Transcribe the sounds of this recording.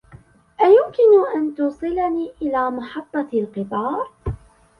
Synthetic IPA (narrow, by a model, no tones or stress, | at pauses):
ʔajʊmkɪnʊʔant̪uːsˤɨlaniːʔɪlaːmɑħɑt̪ˤːɑlqɨt̪ˤɑːɾˤ